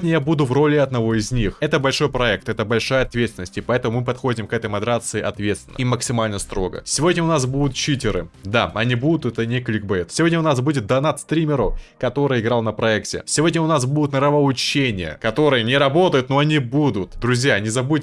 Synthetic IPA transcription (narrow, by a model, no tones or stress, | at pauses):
dʲnʲəjabud̪ʊvro̞lʲɪɐd̪nɐvo̞ɪzʲnʲixɛt̪əbɐlʲʂo̞jpɾɐɛk̚t̪ɛt̪əbɐlʲʂajəɐt̪vʲet̪st̪ʲɪnːəsʲtʲɪpɐɛt̪əmʊmɨpɐt̪xo̞dʲɪmkɛt̪əjmɐd̪ɾat̪sɨɪʔɐt̪vʲet̪st̪vʲɪnəməksʲɪmalʲnəst̪ɾo̞ɡə̰sʲɪvo̞dʲnʲəʊnasbud̪ʊt̪̚t͡ɕitʲɪɾɨd̪aɐnʲibud̪ʊt̪ɛt̪ənʲɪklʲɪk̚bɛjt̪sʲɪvodʲnʲəʊnasbudʲɪt̪̚d̪ɐnat̪st̪ɾʲimʲɪɾʊkɐt̪o̞ɾɨjɪɡɾalˠnəpɾɐɛktʲɪ̰sʲɪvo̞dʲnʲəʊnasbud̪ʊt̪nəɾəvəʊt͡ɕːenʲɪjə̰kɐt̪o̞ɾɨjənʲɪɾɐbo̞t̪əjʊt̪noɐnʲibud̪ʊt̪d̪ɾʊzʲjanʲɪzɐbut̚ʲ